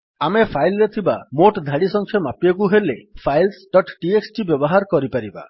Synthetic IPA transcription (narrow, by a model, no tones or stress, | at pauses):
amepʰajlɾet̪ʰibamoʈd̪ʱaɽisɔŋkʰjɔmapijɔkuɦelepʰajlsɖɔʈʈieksʈibjɔbɔɦaɾkɔɾipaɾiba̰